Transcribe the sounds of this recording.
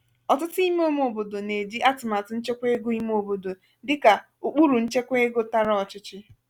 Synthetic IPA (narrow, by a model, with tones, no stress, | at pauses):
ɔ˨tʊ˦tʊ˦i˦me˦o˦m˦o˨bo˨do˨ne˨di˦ʔa˦tʊ˨ma˨tʊ˦n̩˦t͡ʃe˦kʷe˦ɡo˦i˦m˦o˨bo˨do˨ | dɪ˦ka˨ | u˨k͡pu˦ɾu˨n̩˦t͡ʃe˦kʷe˦ɡo˦ta˦ɾɔ˦˨t͡ʃɪ˦t͡ʃɪ˦